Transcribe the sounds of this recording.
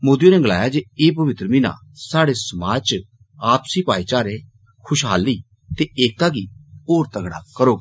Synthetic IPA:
moːd̪ijõnɛːɡəla̰ːjaːd͡ʒeːeːp̬əʋɪt̪ɾəminã̰ː | saːɽeːsəmaːt͡ʃ | aːpsiːpaːiːt͡ʃaːɾe | kʰʊʃɦa̰ːliː | t̪eːeːk̚t̪aːɡiːoːɾt̪əɡɽ̃a̰ːkəɾoːɡ

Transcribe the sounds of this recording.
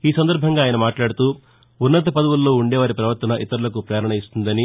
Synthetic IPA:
iːsɐnd̪ɐɾbʱɐŋɡaːjɐnɐmaːʈlaːɽut̪uː | unːɐt̪ɐpɐd̪ɐʋulːo̞ːuɳɖɛːʋaːɾipɾɐʋɐɾt̪ɐnɐʔit̪ɐɾulɐkupɾɛːɾɐɳɐist̪und̪ɐni

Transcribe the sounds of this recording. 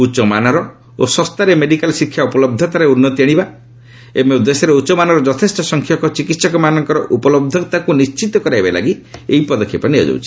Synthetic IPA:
ut͡ʃɔmanaɾɔ | o̰sɔst̪aɾemeɖikalɔsikʰjaupɔlɔb̚d̪ʱɔt̪aɾeunːɔt̪ieɽ̃iba | emeud̪esjɔɾeut͡ʃɔmanɔɾɔd͡ʒɔt̪ʰesʈɔsɔŋkʰjɔkɔt͡ʃikit̪sɔkɔmanɔŋkɔɾɔʔupɔlɔb̚d̪ʱɔt̪akunist͡ʃit̪ɔkɔɾajbala̰ɡieɦipɔd̪ɔkʰːjipɔnijɔ̰d͡ʒo̰w̰t͡ʃʰi̥

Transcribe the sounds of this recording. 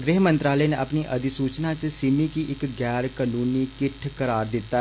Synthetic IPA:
ɡɾeːɦmə̃nt̪ɾaːləeːneʔəpniʔɐd̪ɪsuːt͡ʃnat͡ʃsɪmikiʔɪkɡɛːɾkanuːnikɪʈʰkəɾaːɾd̪ɪt̪ːa

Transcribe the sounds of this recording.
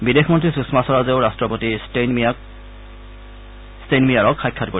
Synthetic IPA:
bidexmɔntɹisusmasɔɹazeʊɹastɹɔpoti | stenmijaɹɔkxajkʰːatko

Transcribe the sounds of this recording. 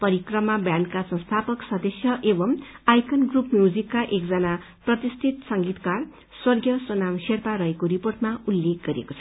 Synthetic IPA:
pʌɾikrʌmabjankasʌ̃nst̪ʰapʌksʌd̪ʌsjʌʔebʌmajkʰʌnɡrupmjud͡zikːaʔekd͡zʌna | prʌt̪ist̪ʰit̪sʌŋɡit̪kar | swʌrɡjʌsonamserp̪aɾʌɦekoɾiporʈmaulːek̚ɡʌɾḛko̥t͡sʰʌ

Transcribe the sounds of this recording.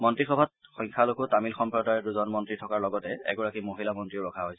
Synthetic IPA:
mɔntɹixɔbʱat̚xɔjŋkʰalokʊtamilxɔmpɹɔdaɹɛduzɔnmɔntɹitʰɔkaɹlɔɡɔtɛɛ̰ɡɔɹakimoɦilamɔntɹiʊɹɔkʰaɦojsɛ

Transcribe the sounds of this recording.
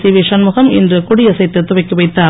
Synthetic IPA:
siʋeːʂɐnmʊɣɐmɪndrɯkʊɽɪjɐsɐɪt̪ːɯt̪ːʊʋɐɪkːɯʋɐɪt̪ːaː

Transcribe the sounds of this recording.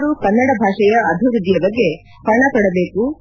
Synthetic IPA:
ɾukɐnːɐɽɐbʱaːʂɐjɐɐbʱiʋɾud̪ːijɐbɐɡːe̞ | pɐɳɐpɐɽɐbeːku

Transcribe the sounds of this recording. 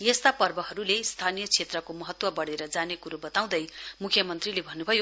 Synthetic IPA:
jest̪apʌrbʌɦʌɾulest̪ʰanijʌt͡sʰet̪rʌkomʌɦʌt̪wʌbʌɽeɾʌd͡zanekuɾobʌt̪aw̃d̪ʌjmukʰjʌmʌnt̪rilebʱʌnːubʱʌjo

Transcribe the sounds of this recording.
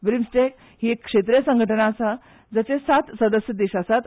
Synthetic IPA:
bɾimsʈek | hiekːʂet̪ɾijsə̃ŋɡʱəʈənaːsa | d͡zat͡sesat̪səd̪əsjəd̪iɕasat̪

